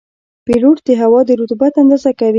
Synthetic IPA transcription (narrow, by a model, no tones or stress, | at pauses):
piɾoʈd̪əɦawɑd̪əɾut̪bat̪and̪ɑzakawi